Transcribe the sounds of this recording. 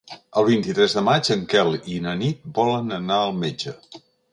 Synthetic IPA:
əlˠβ̞int̪it̪ɾɛzðəmad͡ʒəŋkɛlinənit̪̚bɔlənənaəlˠmed͡ʒə

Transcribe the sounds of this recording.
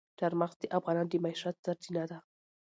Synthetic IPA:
d̥aɾmaxsd̪əʔafɣɑnɑnd̪əmaiʃat̪z̥aɾzinad̪a

